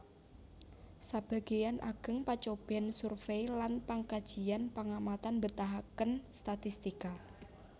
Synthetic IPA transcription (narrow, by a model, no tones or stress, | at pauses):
sab̥a̤ɡ̥ijanʔa̰ɡ̥ə̤ŋpat͡ʃob̥ɛnsurfejlanpaŋkad̥d͡ʒ̥i̤anpaŋamat̪anbət̪aɦakənst̪at̪ist̪ika